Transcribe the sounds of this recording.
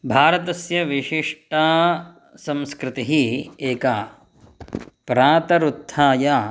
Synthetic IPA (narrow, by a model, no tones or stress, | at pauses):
bʱaːɾɐt̪ɐsjɐʋiʃiʂʈaː | sɐ̃mskɾɪt̪iɦieːka | pɾaːt̪ɐɾut̪ʰːaːja